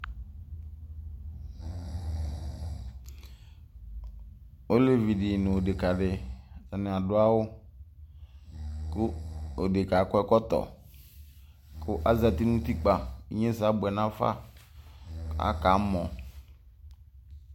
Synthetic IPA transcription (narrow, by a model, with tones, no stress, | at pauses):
o˦le˦vi˨dɪ˨nʊ̃˨o˨dɪ˨ka˨ɖɪ˨ta˨nɪ̃˨a˨dʊ˦a˦wʊ˦ | kʊ˦o˨de˨ka˨˦kɔ˦ɛ˦kɔ˦t̪ɔ̰˨ | kʰʊ˦ʔa˦za˨t̪i˦nũ˦t̪i˦k͡pa˨ḭ˦ɲẽ˦s̬a˨˦bʊ˨ɛ˨nã˦fa̰˦ | a̰˨˦ka˨˦mɔ̃˨